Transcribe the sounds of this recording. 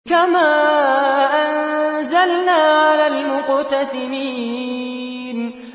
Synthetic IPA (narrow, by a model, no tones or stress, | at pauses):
kamaː | ʔanzalnaːʕalaːlmʊqt̪asɪmiː | n